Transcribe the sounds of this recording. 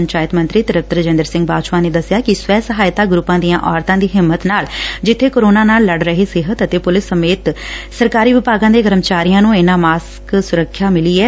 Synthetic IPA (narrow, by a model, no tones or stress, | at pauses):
ɲt͡ʃaːjɪt̪mə̃nt̪ɾiːt̪ɪɾəp̚t̪əɾd͡ʒə̃nd̪əɾsɪ̃ŋɡ̚baːʃʋãːneːd̪əsjaːkɪsʋɛːsəɦaːɪt̪aːɡɾʊpːãːd̪ijãːʔɔːɾt̪ãːd̪iːɦɪmːət̪naːld͡ʒɪt̪ʰːeːkoːɾoːnãːnaːlːəɖɾəɦesɪɦət̪ət̪eːpʊlɪsːəmeːt̪səɾkaːɾiːʋɪpaːɡãːd̪eːɡəɾəmt͡ʃaːɾijãːnũːɪnãːmaːs | ksʊɾəkʰːjaːmɪliːɛː